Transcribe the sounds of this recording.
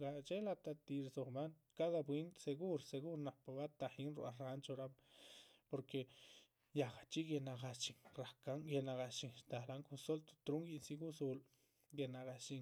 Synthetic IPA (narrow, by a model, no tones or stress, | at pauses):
kaʔt͡ʃelat̪at̪iɾsoχman | kaðapwent̪seɡuɾseɣuɾnahpaβat̪aχinɾṵʔaɾant͡ʃoɾam | poɾke | jakat͡ʃikenaqast͡ʃiŋɾahkaŋkenaqat͡ʃiŋʃt̪ahlaŋkunsolt̪o̥t̪ɾuŋkiʔnsikusul | kenaqat͡ʃiŋ